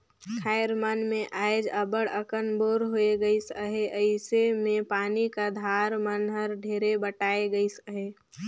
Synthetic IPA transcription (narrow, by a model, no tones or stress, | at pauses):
kʰaːɪɾmaːnmẽʔaːɪd͡ʒəbəɽəkənboːɾɦoeɡəisəɦeʔəɪsemẽpaːnikad̪ʱaːɾmənɦəɾɖʱeːɾebəʈaːeɡəisəɦe